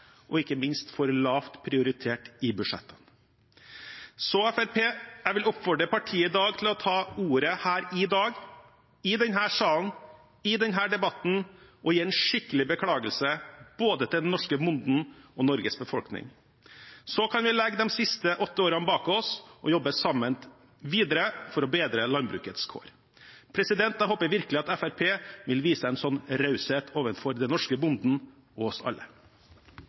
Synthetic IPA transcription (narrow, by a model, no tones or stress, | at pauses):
ʔɔɪkːəmɪnst̪fɔɾlɑːft̪pʰɾɪʊɾɪt̪ʰeːʈɪbʉʂɛ̰t̪ʰːən | sɔɛfæɾpʰeːæʋɪlɔpːfɔɖɾəpʰɑʈʰiːəɪd̪ɑːɡ̚t̪ʰɪlɔt̪ʰɑːuːɾəhæːɾɪd̪ɑːɡ | ɪd̪ɛnɦæːsɑːln̩ | ɪd̪ɛnɦæːɖɛbɑt̪n̩ʔɔjiːɛnʂɪkːəlɪbəkʰɽɑːɡəlsəb̥oːd̪ət̪ʰɪld̪ɛnːɔʂkəmʊnd̪n̩ɔnɔɾɡəsbəfɔlknɪ̰ŋ | sɔkʰɑnʋɪlɛɡːd̪ɛmsɪst̪əʔɔt̪ːəoːɾənbɑːkɔsʔɔjɔbːəsɑmən | ʋiːd̪əɾəfɔɾɔbeːd̪ɾəlɑnbɾʉ̰ːkət̪skʰo̰ːɾ | pʰɾɛsɪd̪ɛnt̪ɑhoːpəɾʋɪɾkəlɪɑt̪ɛfæɾpʰeːʋɪlʋiːsəɛnsɔnɾɑʉsɛt̪ʰoːʋənfɔɾd̪ɛnɔʂkəbʊnd̪n̩ | ɔɔsɑ̰lːə̰